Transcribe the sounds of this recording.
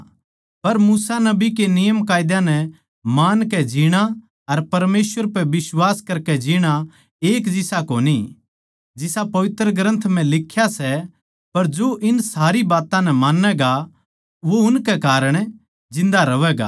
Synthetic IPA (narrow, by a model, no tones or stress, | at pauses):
pɐɾmuːsanɐbik̬enɪjəmkaːɪd̪jãnɛ | maːnkɛd͡ʒiɽ̃a | ɐɾpɐɾmeːsʋəɾpɛʋɪswaːskɐɾkɛd͡ʒiːɽ̃a | eːkd͡ʒɪsakoːni | d͡ʒɪsapɐʋɪt̪ɾəɡɾə̃nt̪ʰm̤ɛ̃lɪkʰːjasɛ | pɐɾd͡ʒoʔɪnsaːɾibaːt̪ãnɛmaːnːɛɡa | ʋoʊnkɛkaːɾəɽ̃ | d͡ʒɪ̃nd̪aɾɐʋɛɡa̰ː